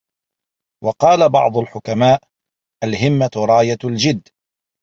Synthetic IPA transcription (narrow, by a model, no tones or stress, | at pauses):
wɑqɑːlabɑ̰ʕd̪ˤʊlħʊkamaːʔ | ʔalhɪmːaɾˤɑːjald͡ʒɪd̪ː